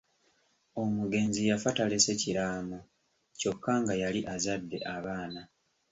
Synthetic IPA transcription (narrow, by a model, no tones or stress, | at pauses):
o̞muɡe̞nzijafatale̞se̞ciɾaːmu | co̞kːaŋɡajaliʔazadːe̞̰ʔaβaːna